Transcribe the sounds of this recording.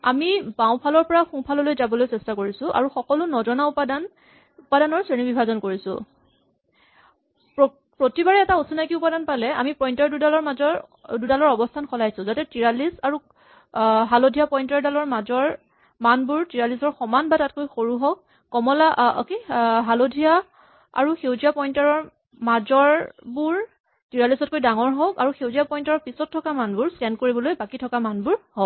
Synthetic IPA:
a̰mibaw̃pʰalɔɹpɔɹaxũpʰalɔlojzabɔlojsɛstakoɹisʊ̃ʔa̰ɹuxɔkɔlʊnɔzɔnaupadan | upadanɔɹsɹenibibʱazɔnkoɹisʊ̰̃ | po | pɹotibaɹɛːtausunajkiupadanpalɛa̰mipɔjntɔɹdudalɔɹmazɔ | dudalɔɹɔbɔstʰankʰɔlajsʊ̃zatɛtiɹalisaɹu | ɦalodʱijapɔjntɔɹdalɔɹmazɔɹ | manbuɹtiɹalisɔɹxɔmanbatatkojxoɹuɦɔk̚ː | ɔmɔla̰keɦalodʱija | a̰ɹuxewzijapɔjntaɹɔɹ | mazɔɹbuɹ | tiɹalisɔt̚kojdaŋɔɹɦɔkaɹuxewzijapɔjntɔɹɔɹpisɔtʰːɔkamanbʊɹstɛnd̚koɹibɔlojbakitʰɔkamanbʊɹhɔk

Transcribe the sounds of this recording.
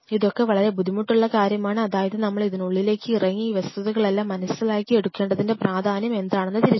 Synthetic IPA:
iðo̞kːe̞ʋɐɭɐɾe̞bud̪ʱimuʈːuɭːɐkaːɾjɐmaːɳɨɐðaːjɐðɨnɐmːɐɭiðinuɭːile̞ːkːɨirɐŋːiiːʋɐst̪uðuɣɐɭe̞lːaːmːɐnɐsilaːkːie̞ɽukːe̞ːɳɖɐðinde̞praːd̪ʱaːnjɐme̞nd̪aːɳenːɐt̪iɾit͡ɕː

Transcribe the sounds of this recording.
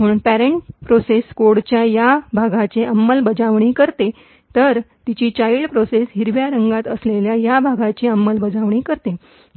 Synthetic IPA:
m̤əɽ̃uːnpæɾeɳʈpɾoseskoɽt͡ɕjajabʱaɡat͡ɕeʔəmːəlbəd͡zaʋɳ̃iːkəɾt̪e | t̪əɾt̪it͡ɕiːt͡ɕaiɭpɾosesɦiɾʋjaɾəŋɡat̪əsleljajabʱaɡat͡ɕeəmːəlbəd͡zaʋɳiːkəɾt̪e

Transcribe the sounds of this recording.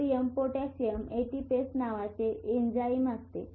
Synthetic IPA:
iəmpoʈasijəmeʈipesnaʋat͡seːnd͡ʑaimast̪e

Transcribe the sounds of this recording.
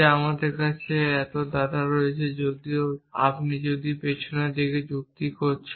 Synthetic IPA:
amad̪eɾkat͡ɕʰeɛt̪od̪ad̪aɾoet͡ɕʰed͡ʑod̪ioa̰pnid͡ʑod̪ipet͡ɕʰoned̪eked͡ʑuk̚t̪ikoɾt͡ɕʰ

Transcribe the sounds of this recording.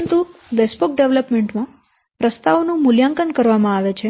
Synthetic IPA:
ənt̪uʋespok̚ɖeʋləpmeɳʈmã | pɾəst̪aʋonũmʊljaŋkənkəɾʋamãaʋet͡ʃʰe

